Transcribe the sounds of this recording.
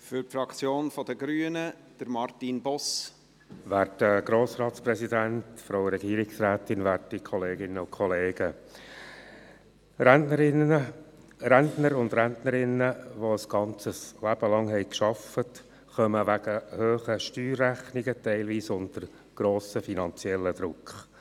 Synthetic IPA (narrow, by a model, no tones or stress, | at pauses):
fʏɾtfɾɑkt͡sjoːnfɔd̪əɡɾyːənə | d̥əɾmɑɾtinbɔs | ʋæːɾdəɡ̥ɾoːsɾɑːtsprɛsidæntfɾoʊɾɛɡiːɾɪksræːtɪnʋæːrdikʰɔleːɡɪnːəʊkʰχɔleːɡ̥ə | ɾænnəɾɪnə | ɾæntnəɾʊnd̪ɾæntnəɾɪnːəʋoəsɡ̥ɑnt͡səslæb̥əlɑŋhɛɪkʃɑfət | χœməʋæɡ̥əhøːχəʃtyːrːæχnɪɡətɛɪlʋiːsʊndəɾ | ɡ̥ɾoːsəfinɑnt͡sjɛlːəd̥̪ɾʊkχ